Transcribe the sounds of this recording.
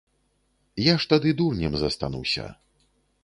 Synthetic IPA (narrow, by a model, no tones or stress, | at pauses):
jaʂt̪ad̪ɨd̪urnʲɛmzɐst̪a̰nṵwsʲɐ̰